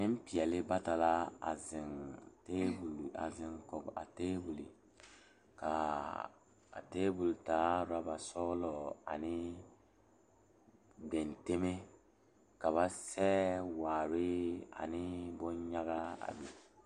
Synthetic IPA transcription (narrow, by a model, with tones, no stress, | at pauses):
nɪ˦m˦pi˨ɛ˨lɪ˦ba˦ta˨la˦a̰˨zɪ˨nte˦bu˨la̰˨zɪ˨ŋkɔ˨ɡa̰˨teː˦bu˨li˨ | ka˨ | a̰˨teː˦bu˨ltaː˨˦ɾa˦ba˨sɔ˦lɔ˨a̰˨nɪ˦ | be˨nte˦me˦ | ka˨βa˦sɛ˦waː˨ɾɪ˦a̰˨nɪ˦bʊ˦ɲɲa˦ɣa˦a̰˨bɛ˨